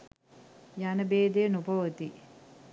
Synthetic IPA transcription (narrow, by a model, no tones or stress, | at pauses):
janəbeːd̪ejənubʱɐʋət̪i